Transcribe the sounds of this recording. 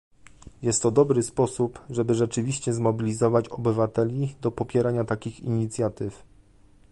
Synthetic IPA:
jɛst̪ːɔd̪ɔbɾɘspɔsupʐɛbɘʐɛt͡ʂɘvʲiɕt͡ɕɛzmɔbʲilʲizɔvat͡ɕɔbɘvat̪ɛlʲid̪ɔpɔpʲjɛɾaɲat̪akʲixḭɲit̪sʲjat̪ɘf

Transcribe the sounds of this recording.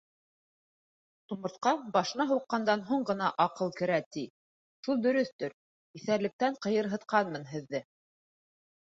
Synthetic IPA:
t̪umɤ̆ɾt̪qɑbɑʃɤ̆nɑɦuqːɑnd̪ɑnɦuɴɢɤ̆n̪ɑʔɑqɤlˠkɘ̆ɾæt̪i | ʃulˠd̪ɵ̆ɾɵθt̪ɵɾ | iθæɾlɘ̆k̚t̪æɴqɤ̆jɤ̆ɾɦɤ̆t̪qɑnmɤnɦɘ̆ðːɘ

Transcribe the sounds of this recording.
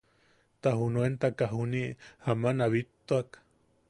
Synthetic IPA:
t̪ahunoent̪akaɦuniʔhamanaβit̪ːoak

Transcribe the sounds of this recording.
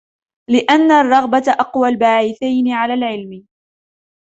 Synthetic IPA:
lɪʔanːarˤːɑɣbat̪ʔɑqwalbaːʕɪθajnɪʕalaːlʕɪlmɪ

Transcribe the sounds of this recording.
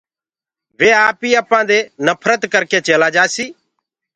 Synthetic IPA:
ʋeːaːpiːaːpãːd̪eːnəpʰɾət̪kəɾkeːt͡ʃeːlaːd͡ʒaːsiː

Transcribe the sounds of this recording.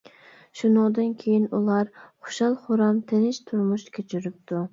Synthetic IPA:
ʃunɨŋd̪ɨnkʲʰejinulˠɑɾχo̥ʃɑlˠχʊɾɑmt̪ʰenɪʃt̪ʰʊɾmʊʃkʲʰøt͡ʃʰyɾɪp̚t̪ʰu

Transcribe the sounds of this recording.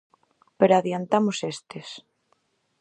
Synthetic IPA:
peɾoaðjant̪amosest̪es

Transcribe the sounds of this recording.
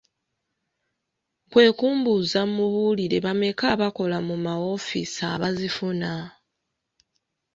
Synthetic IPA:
kwe̞ːkuːmbuzamuβuliɾe̞βame̞kaβako̞lamumawo̞fḭsaːβazifuna

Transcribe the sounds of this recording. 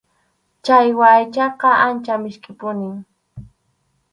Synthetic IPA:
t͡ʃajwaːjt͡ʃɑqɑʔant͡ʃamɪʃkʼɪpʊnɪŋ

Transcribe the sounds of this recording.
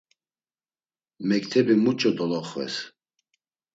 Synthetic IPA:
mɛk̚t̪ʰɛbimut͡ʃʼɔd̪ɔlɔχvɛ̰s

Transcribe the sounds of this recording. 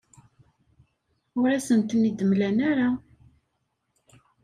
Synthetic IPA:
ʊɾæsənt̪nid̪əmlænæɾa

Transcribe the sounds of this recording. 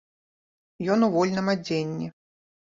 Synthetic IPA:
jɔnuvɔlʲnɐmad͡zʲenʲːi

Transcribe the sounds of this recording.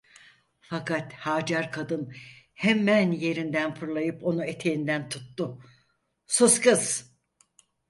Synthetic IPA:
fakʰat̪haːd͡ʒaɾkʰad̪ɯn | hɛmænje̞ɾind̪ænfʰuɾlˠajɯpo̞nue̞t̪ʰejind̪ænt̪ʰu̥t̪ːʊ | suskɯz̥

